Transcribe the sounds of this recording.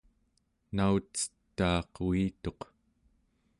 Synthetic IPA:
naut͡sə̥t̪ːɑːqit̪o̞q

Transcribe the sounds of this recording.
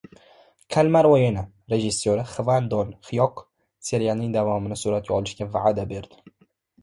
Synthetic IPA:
kʲʰalmaɾojena | ɾe̞ʒɪsːoɾɪχvand̪onχɪjɒq | seɾijalnɪŋd̪avɒmɪnɪsuɾat̪̚kʲaɒlˠɪʃkʲavaʕad̪abe̞ɾd̪̥ɪ

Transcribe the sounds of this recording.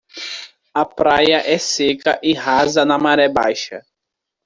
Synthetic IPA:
ɐpɾajɐʔɛsekɐʔɪhazɐnɐmaɾɛba̰jʃɐ

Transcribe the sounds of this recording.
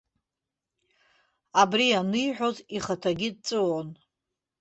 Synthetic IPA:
abrianɨjħʷᶣo̞ziχatʰaɡʲid̚t͡sʼɨwon

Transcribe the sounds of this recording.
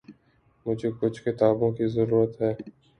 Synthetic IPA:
mʊd͡ʒʱekʊt͡ʃʰxɪt̪aːbõkizəɾuːɾət̪ɦɛː

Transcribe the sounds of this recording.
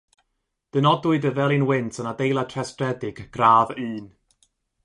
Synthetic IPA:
d̥ənɔdʊɨdəvɛlˠinwɪntʰənadejlˠatʰrɛstrɛdɪɡ̥ɡ̥raːvɨːn

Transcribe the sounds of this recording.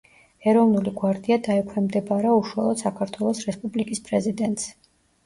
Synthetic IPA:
ɛɾɔvnuliɡwaɾd̪iad̪aɛkʰwɛmd̪ɛbaɾauʃwalˠɔd̪̥sakʰaɾt̪ʰwɛlˠɔsɾɛspʼublikʼispʼɾɛzid̪ɛnt̪ʼs

